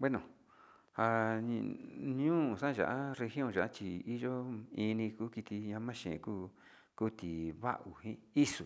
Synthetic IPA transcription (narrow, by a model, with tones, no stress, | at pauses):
bwe˦nõ˨ | ha˧ | ɲũː˦˨sã˦˧ʒa̰˨ʔa˦re˧xjõ˦˨ʒa˨ʔa˦t͡ʃi˧i˦ʒo˦i˧nĩ˧kuː˦ki˧t̪i˧ɲã˧˦mã˦ʃḛ̃˨˧kuː˦ | ku˦t̪i˨βa̰˦ʔu˨hĩ˦i˦su˨